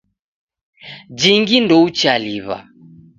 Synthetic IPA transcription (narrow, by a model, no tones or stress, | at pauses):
d͡ʒiŋɡindɔut͡ʃaliβa̰